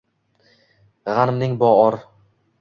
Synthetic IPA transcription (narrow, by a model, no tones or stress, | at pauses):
ʁanɪmnɪŋbɒɒɾ